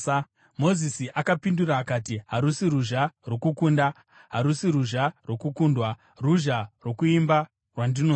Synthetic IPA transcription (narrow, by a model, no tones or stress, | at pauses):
mo̞zisiʔakapinduraːkaːtiɦaɾusiɾuʒarwokukunda | ɦaɾusiɾuʒarwo̞kukundwa | ruʒarwo̞kuimba | rwandino